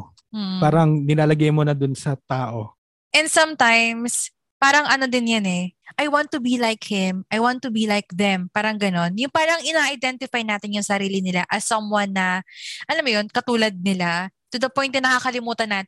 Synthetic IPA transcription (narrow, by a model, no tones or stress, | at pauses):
m̩ːpaːɾɐŋnɪnaːlɐɡajmonɐd̪ʊnsɐt̪aːʔo | ʔɛnd̪sɐmt̪ajms | paːɾɐŋʔɐno̞d̪ɪnjanɛʔajwant̪ːubilajkhɪmʔɐjwant̪ːubilajk̚ðɛmpaːɾɐŋɡɐno̞njʊŋpaːɾɐŋʔɪnaːʔɐjd̪ɛnt̪ɪfajnaːt̪ɪnjʊŋsɐɾiːlɪnɪlaʔɐsɐmwanːɐʔɐlamːojonkɐt̪uːlɐd̪̚nɪlat̪ud̪ɐpojnt̪ɪnɐkakɐlɪmuːt̪ɐnːaːt̪ɪ